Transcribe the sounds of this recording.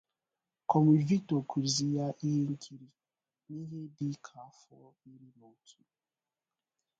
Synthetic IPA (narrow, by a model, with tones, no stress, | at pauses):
kɔ˨m˨i˨vi˦to˨ku˨ɾzi˨ja˦ʔi˦ɦe˦ŋ̩˦kʰi˦ɾi˨ | ni˦ɦe˦di˦kʰa˨fɔ˦i˦ɾi˦no˨tʰu˦